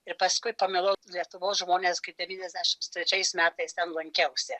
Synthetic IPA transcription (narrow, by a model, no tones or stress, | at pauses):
ɪɾpɐskʊɪpɐmʲɪlˠɐʊlʲiɛt̪ʊʋoːsʒmoːnʲeːskɐɪp̚d̪ʲɛʋʲiːnʲɛzʲd̪ʲæʃʲɪmst̪ʲɾʲɛt͡ʃʲɛɪsmʲæːt̪ɐɪst̪ʲɛnlˠɐŋʲkʲɛʊsʲɪ